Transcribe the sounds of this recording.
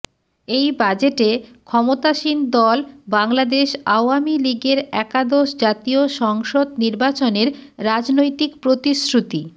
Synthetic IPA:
ejbad͡ʑeʈekʰɔmot̪aʃind̪ɔlbaŋlad̪eʃaoamiliɡeɾɛkad̪oʃd͡ʑat̪ioʃɔŋʃod̪niɾbat͡ɕoneɾːad͡ʑnojt̪ikpɾot̪isɾut̪i

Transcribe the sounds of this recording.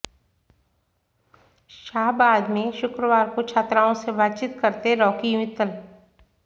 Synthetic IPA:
ʃaːɦbaːd̪mẽʃʊkɾəʋaːɾkot͡ʃʰaːt̪ɾaːõsebaːt̪t͡ʃit̪kɐɾt̪eɾɔːkijʊmɪt̪ːəl

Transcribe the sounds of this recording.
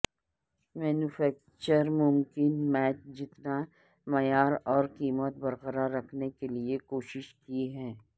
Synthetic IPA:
mɛːnufɛːk̚ | t͡ʃəɾmʊmkɪnmɛːt͡ʃd͡ʒɪt̪na | mɐjaːɾɔːɾqiːmət̪̚bɐɾqəɾaːɾːɐkʰnekeliekoːʃɪʃkiɦɛ̃ː

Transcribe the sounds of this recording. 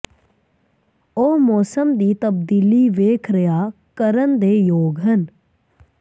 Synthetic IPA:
oːmoːsəmd̪iːt̪əb̚d̪iːliːʋeːkʰɾəjaːkəɾənd̪eːjoːɡɦən

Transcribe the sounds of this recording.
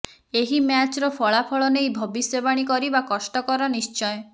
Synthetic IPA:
eɦimjat͡ʃɔɾɔpʰɔɭapʰɔɭɔnejbʱɔbisɔbaɽ̃ikɔɾibakɔsʈɔkɔɾɔnist͡ʃɔj

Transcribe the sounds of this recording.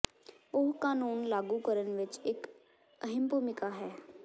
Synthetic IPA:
ʊɦkaːnuːnlaːɡukəɾənʋɪt͡ʃɪk | əɦɪmpumɪkaɦɛː

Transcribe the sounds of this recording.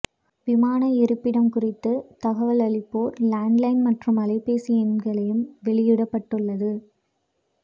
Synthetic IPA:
ʋɪmaːnɐɪɾɯpːɪɽɐmkʊrɪt̪ːɯt̪ɐɣɐʋɐlɐɭɪpːoːɾlaːɳɖlɐɪnmɐʈrɯmɐlɐɪpːeːsɪjɛnɡɐɭɐjɯmʋɛɭɪjɪɽɐpːɐʈːɯɭːɐðɯ

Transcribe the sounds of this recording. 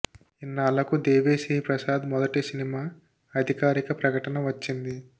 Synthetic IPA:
inːaːlɐkud̪eːʋeːsiːpɾɐsaːd̪mɔd̪ɐʈisinimaː | ɐd̪ʱikaːɾikɐpɾɐkɐʈɐnɐʋɐt͡ʃːind̪i

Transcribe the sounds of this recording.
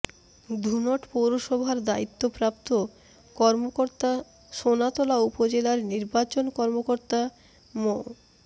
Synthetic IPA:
d̪ʱunɔʈpowɾoʃɔbʱaɾd̪ait̪ːopɾap̚t̪o | kɔɾmooɾt̪a | ʃonat̪olaupod͡ʑelaɾniɾbat͡ɕonkɔɾmokoɾt̪a | mo

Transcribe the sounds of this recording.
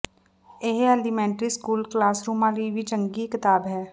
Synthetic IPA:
eɦɐlimɛ̃ːɳʈɾiskuːlklaːsɾuːmãlibʱit͡ʃə̃ŋɡikɪt̪aːbɦɛː

